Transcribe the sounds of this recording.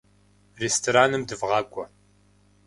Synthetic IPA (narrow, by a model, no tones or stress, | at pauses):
restʰoɾaːnɨmdɨvʁɑːkʷʼɔ